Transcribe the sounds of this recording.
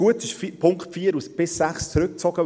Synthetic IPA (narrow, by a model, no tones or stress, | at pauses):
uətɪʃfpʰʊŋkχtfiːəɾusb̥ɪsːæχst͡sɾɵk̚t͡sɔɡ̥ə